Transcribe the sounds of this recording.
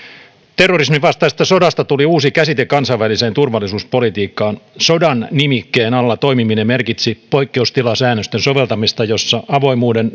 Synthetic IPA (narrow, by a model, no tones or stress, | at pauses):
t̪erːorismiʋɑst̪ɑist̪ɑso̞dɑst̪ɑt̪uliuːsikæsit̪ekɑnsɑiʋʋælise̞ːnt̪urʋɑlːˑisuːspo̞lit̪iːkːɑːnso̞dɑnːimikːeːnɑlːɑt̪o̞imiminemmerkit̪sipo̞ikːe̞ust̪ilɑsæːnːøst̪enso̞ʋe̞lt̪ɑmist̪ɑjo̞sːɑʔɑʋo̞imuːden